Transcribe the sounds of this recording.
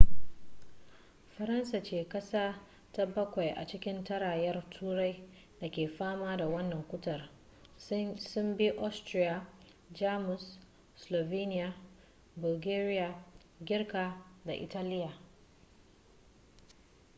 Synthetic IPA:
ɸɐ˨ɾɐ˦nsa˨t͡ʃeː˨kɐ˦saː˦ | ta˦bɐ˦kʷa˨jʔa̰˨t͡ʃɪ˦kʲɪ˦ntɐ˦ɽaː˨jɛ˦rtʰuː˦ɽa˦j | da˨kʲeː˨ɸaː˦maː˦da˨wɐ˦nːɐ˨ŋkʷʊ˦tɐ˨r | sʊ˦mbi˦ʔɔ˦stɾi˦ja˨ | d͡ʒaː˦mʊ˨s | slo˨viː˦nɪ˦ja˨ | bʊ˨lɡeː˦ɾɪ˦ja˨ | ɡʲɪ˦rka˨da˨ʔɪ̰˨taː˦lɪ˦ja˨

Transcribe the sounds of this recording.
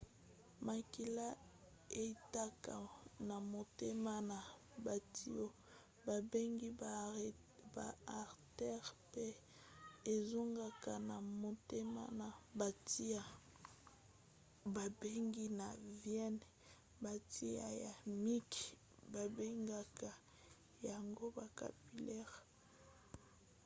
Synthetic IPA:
ma˨ki˨la˦ | e˨˦ta˦ka̰˨na˨mo˨te˦ma˦na˨ | ba˨tʰi˦o˦ | ba˨be˦ŋɡi˦ | ba˨a˨ʁtɛ˦ʁpe˦ | e˨zo˦ŋɡa˨ka˨na˨mo˨te˦ma̰˦na˨ba˨ti˦a˦ | ba˨be˦ŋɡi˦na˨vjɛ˦n | ba˨ti˦a̰˨ja˨mi˦k | ba˨be˦ŋɡa˨ka˨ | ja˨ŋɡo˦ba˨ka̰˨pi˨lɛ˦ʁ

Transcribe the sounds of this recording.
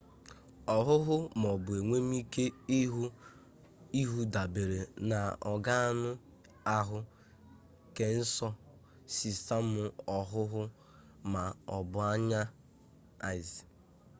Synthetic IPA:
ɔ˨ɦʊ˦ɦʊ˦m˨ɔ˨bʊ˨e˨ŋʷe˦m˦i˦ke˦ | i˦ɦu˦da˨be˨ɾe˨na˨ɔ˨ɡa˦a˦nʊ˦ | a˦ɦʊ˦ | ke˨n̩˦sɔ˦ | si˨sa˦m̩˦mʊ˦ɔ˨ɦʊ˦ɦʊ˦ | ma˨ɔ˨bʊ˨a˦ɲa˦ | a˨ɪ˨zi˨

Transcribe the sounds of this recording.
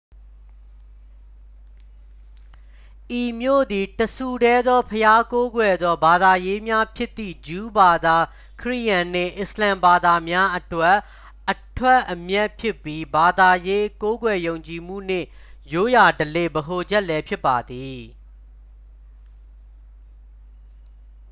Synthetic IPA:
ʔi˨mjo̰˦˨d̪i˨təsʰu˨dɛ˦d̪ðɔ˦pʰəja˦ko˦ɡwɛ˨d̪ðɔ˦ba˨d̪a˨je˦mja˦pʰjɪ˦t̪ːḭ˦˨d͡ʑu˦ba˨d̪a˨ | kʰəɹḭ˦˨jã˨n̥ɪ̰̃˦˨ʔɪ˨slã˨mba˨d̪a˨mja˦ʔətwɛ˦˨ʔː | ətʰwɛ˦ʔəmjɛ˦ʔpʰjɪ˦pːji˦ba˨d̪a˨je˦ko˦ɡwɛ˨jõ˨ʊ̃ɲt͡ɕi˨m̥ṵ˦˨n̥ɪ̰̃˦˨ | jo˦ja˨dəle˨bəɦo˨d͡ʑɛ˦ʔlɛ˦pʰjɪ˦pːa˨d̪i˨

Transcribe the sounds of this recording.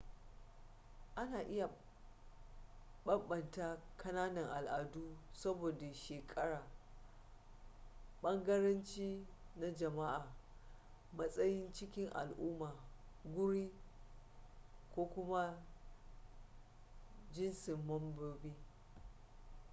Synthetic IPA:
ʔa˦naː˨ʔɪ˦ja˨ | ɓɐ˦mɓɐ˨nta˦kʰɐ˦naː˦nɐ˨ŋʔa˨lʔa˨duː˦sɐ˦boː˨da˨ʃeː˨kʼɐ˦ɽaː˨ | ɓɐ˦ŋɡɐ˦ɾɐ˦nt͡ʃiː˦na˦d͡ʒɐ˨ma˦ʔaː˨ | mɐ˦sʼɐ˦jɪ˦nt͡ʃɪ˦kʲɪ˦ŋʔa̰˨lʔʊ˦maː˨ɡʷʊ˦ɽiː˦ | kʷoː˦kʷʊ˦ma˦ | d͡ʒɪ˦nsɪ˨mːɐ˦mboː˦biː˦

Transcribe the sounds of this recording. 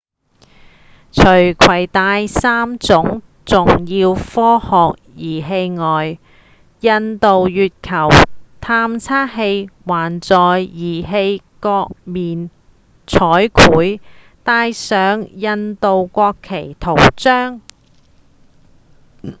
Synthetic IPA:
t͡ʃʰɵ˨˩ɥkʰwɐ˨˩jt̪aː˧jsaː˥mt͡sʊ˨˥ŋ | t͡sʊ˨ŋjiː˧wfɔː˥hɔː˨˧k̚jiː˨˩ɦe˧jŋɔː˨j | jɐ˧nt̪o˨wjyː˨t̚kʰɐ˨˩wt̪ʰaː˧mt͡sʰaː˥ɦe˧jwaː˨˩nt͡sɔː˨jjiː˨˩ɦe˧j | kɔː˧k̚miː˨n | t͡sʰɔː˨˥jkʰuː˨˥j | t̪aː˧jsœː˨˥ŋjɐ˧nt̪o˨wkʷɔː˧kʰːe˨˩jt̪ʰo˨˩wt͡sœː˥ŋ

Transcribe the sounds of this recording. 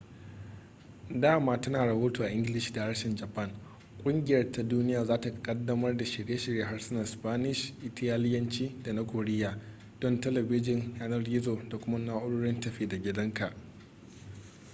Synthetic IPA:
daː˦˨maː˦tɐ˦naː˨ɾɐ˨hoː˦toː˨ʔa˨ʔɪ˦ŋɡʲɪ˦lɪ˨ʃdaː˨ɾɐ˦ʃɪ˨nd͡ʒɐ˨pɐ˦˨ŋ | kʷʼʊ˦ŋɡʲɪ˨jɐ˦rtʰa˦duː˦nɪ˦jaː˨zaː˦ta˨kʼɐ˦dːɐ˦mɐ˦rda˨ʃɪ˨ɽeː˦ʃɪ˨ɾjeː˦ɦa˦rsʊ˦nɐ˨spaː˦nɪ˨ʃʔɪ˦tɐ˦jaː˦lɪ˦jɐ˦nt͡ʃiː˦da˨na˦kʷoː˨ɽɪ˦jaː˨ | d̥ɔ˦ntɐ˦lɛ˨bɪ˦d͡ʒɪ˨njaː˦nɐ˦rɡʲɪ˦zoː˨da˨kʷʊ˦ma˦naː˦ʔʊ˦ɽoː˦ɽɪ˦ntɐ˨ɸeː˨da˨ɡʲɪ˦dɐ˦ŋka˨ʔ

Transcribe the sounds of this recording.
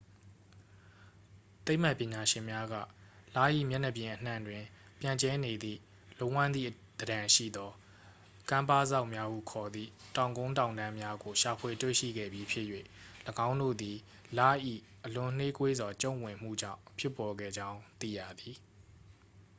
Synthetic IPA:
t̪e˦ɪʔm̥a˦˨pːjɪ̃˨ɲa˨ʃɪ̃˨mja˦ɡä̰˦˨la̰˦˨ʔḭ˦˨mjɛ˦nə˨p̬jɪ̃˨ʔən̥ã̰˦˨ndwɪ̃˨ | pjã˨ɲt͡ɕɛ˦ne˨d̪ḭ˦˨ | lo˦wã˦˨nd̪ðḭ˦˨ | d̪̥ədã˨ʃḭ˦˨d̪ɔ˦ | kã˦mpa˦˨za̰˦ʊʔmja˦hṵ˦˨kʰɔ˨d̪ðḭ˦˨tã˨ʊ̃ŋɡõ˦ʊ̃nt̬ã˨ndã˦mja˦ɡo˨ʃa˨pʰwe˨twḛ˦˨ʃḭ˦˨ɡɛ̰˦˨bji˦pʰjɪ˦ʔjwḛ˦˨ | ləɡã˦ʊ̃ndo̰˦˨d̪i˨ | la˦˨ʔḭ˦˨ | ʔəlʊ̃˨n̥e˦kwe˦zɔ˨t͡ɕõ˦˨wɪ̃˨m̥ṵ˦˨d͡ʑã̰˦˨ʊ̃pʰjɪ˦˨pːɔ˨ɡɛ̰˦˨d͡ʑã˦ʊ̃t̪ḭ˦˨ja̰˦˨d̪i˨

